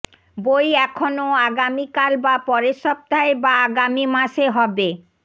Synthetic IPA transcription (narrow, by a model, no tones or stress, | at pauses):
bojɛkʰonoaɡamikalbapɔɾeʃɔp̚t̪aɦebaaɡamimaʃeɦɔbe